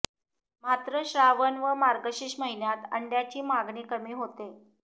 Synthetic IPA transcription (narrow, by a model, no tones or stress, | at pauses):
mat̪ɾəɕɾaʋənʋəmaɾɡəɕiːɕməɦinjat̪ə̰ɳɖjat͡ɕiːmaɡɳiːkəmiːɦot̪e